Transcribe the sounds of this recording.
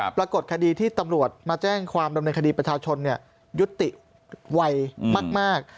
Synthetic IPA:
pɾa˧ko˨˩t̪̚kʰa˧diː˧t̪ʰiː˥˩t̪a˧mɾu˨˩ət̪̚maː˧t͡ɕɛː˥˩ŋkʰwaː˧mda˧mnɤː˧nkʰdiː˧pɾa˧t͡ɕʰaː˧t͡ɕʰo˧nːi˥˩ɐ | ju˦˥t̪ːi˨˩ | wa˧jmaː˥˩k̚maː˥˩k̚

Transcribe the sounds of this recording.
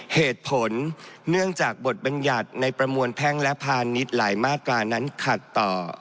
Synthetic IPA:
heː˨˩t̪̚pʰo˩˦nːɯ˥˩əŋt͡ɕaː˨˩k̚bo˨˩t̪̚ba˧nja˨˩t̪̚na˧jpɾa˧mu˧ənpʰɛː˥˩ŋlɛ˦˥pʰaː˧nːi˦˥t̪̚laː˩˦jmaː˥˩t̪̚ːɾaː˧na˦˥nkʰa˨˩t̪ːɔː˨˩

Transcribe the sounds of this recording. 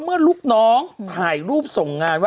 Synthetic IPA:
mɯ˥˩ɐluː˥˩p̚nɔː˦˥ŋpʰaː˨˩jɾuː˥˩p̚so˨˩ŋːaː˧nwaː˥

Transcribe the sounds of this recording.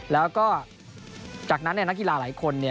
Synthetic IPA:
lɛː˦˥wkɔː˥˩ | t͡ɕaː˨˩k̚na˦˥nːi˥˩na˦˥ki˨laː˧la̰ː˩˦jkʰo˧nːi˥˩

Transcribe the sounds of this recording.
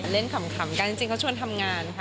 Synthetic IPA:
le˥˩nkʰa˨˩˦mkʰa˨˩˦mka˧nt͡ɕi˧ŋt͡ɕi˧ŋkʰwt͡ɕʰu˧ənt̪ʰa˧mŋaː˧nkʰa˦˥

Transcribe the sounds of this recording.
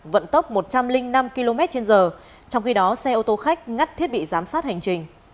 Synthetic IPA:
və̰˧˨nt̪ə˦˥wk͡p̚mo˨˩t̚t͡ɕa˧mlï˧ŋ̟na˧mki˧lo˧mɛ˦˥t̚t͡ɕe˧nzəː˨˩ | t͡ɕɔ˧wŋ͡mxi˧ɗɔ˨˦sɛ˧ʔo˧t̪o˧xa˦˥jk̟̚ŋa˦˥t̚t̪ʰi˦˥ət̚ɓḭ˧˨zaː˨˦msaː˦˥t̚ha˨˩ŋ̟t͡ɕï˨˩ŋ̟

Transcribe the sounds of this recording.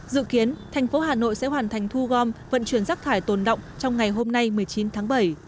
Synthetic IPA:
zɨ̰˧˨ki˨˦ənt̪ʰɛ˨˩jŋ̟fo˨˦ɦaː˨˩no̰˧˨jsɛ̰˧˥ɦwaː˨˩nt̪ʰa˨˩jŋ̟t̪ʰu˧ɣɔ˧mvə̰˧˨nt͡ɕwi˧˩ənzaː˦˥k̚t̪ʰaː˧˩jt̪o˨˩nɗə̰˧˨wŋ͡mt͡ɕɔ˧wŋ͡mŋa˨˩jɦo˧mna˧jmɨ˨˩əjt͡ɕi˨˦nt̪ʰaː˨˦ŋɓə˧˩j

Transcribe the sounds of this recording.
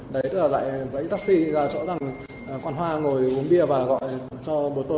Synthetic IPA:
ɗə˨˦jt̪ɨ˦˥la˨˩la̰ː˧˨jvə̰˧˥jt̪a˦˥k̚si˧zaː˧˩t͡ɕɔ̰˧˥za˨˩ŋ˨˩ | kwaː˧nɦwaː˧ŋo˨˩jʔu˨˦ənɓi˧əvaː˨˩ɣɔ̰˧˨j | t͡ɕɔ˧ɓo˨˩t̪o˧

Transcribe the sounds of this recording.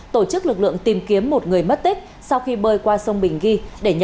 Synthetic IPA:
t̪o˧˩t͡ɕɨ˦˥k̚lɨ˨˩k̚lɨ̰˧˨əŋt̪i˨˩mki˨˦əmːo˨˩t̚ŋɨ˨˩əjmə˦˥t̚t̪i˦˥k̚ | sa˧wxi˧ɓəː˧jkwaː˧sə˧wŋ͡mɓï˨˩ŋ̟ɣi˧ɗe˧˩ɲ˧

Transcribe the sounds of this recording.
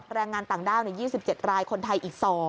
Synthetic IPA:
ɾɛː˧ŋːaː˧nt̪aː˨˩ŋdaː˥˩wna˧˥jiː˥˩si˨˩p̚t͡ɕe˨˩t̪̚ɾaː˧jkʰo˧nt̪ʰa˧jʔiː˨˩k̚sɔː˩˦

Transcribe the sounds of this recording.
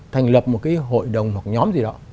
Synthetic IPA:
t̪ʰa˨˩jŋ̟lə˨˩p̚mo˨˩t̚kaː˨˦jɦo̰˧˨jɗə˨˩wŋ͡mhwa˨˩k̚ɲɔ˨˦mzi˨˩ɗɔ˨˦

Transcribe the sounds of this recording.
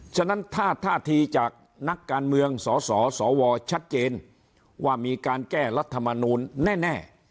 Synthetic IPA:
t͡ɕʰa˥˩na˦˥nt̪ʰaː˥˩t̪ʰaː˥˩t̪ʰiː˧t͡ɕaː˨˩k̚ | na˦˥kːaː˧nmɯ˧əŋsɔː˩˦sɔː˩˦sɔː˩˦wɔː˧t͡ɕʰa˦˥t̪̚t͡ɕeː˧n | waː˥˩miː˧kaː˧nkɛː˥˩ɾa˦˥t̪ʰːa˧ma˧nuː˧nːɛː˥˩nɛː˥˩

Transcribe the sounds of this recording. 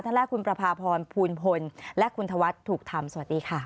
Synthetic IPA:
t̪ʰa˥˩ŋlɛː˥˩kʰːu˧npɾa˧pʰaː˧pʰɔː˧npʰuː˧npʰo˧nlɛ˦˥kʰu˧nt̪ʰa˧wa˦˥t̪ʰːuː˨˩k̚t̪ʰa˧msa˧wa˨˩t̪̚diː˧kʰa˥˩

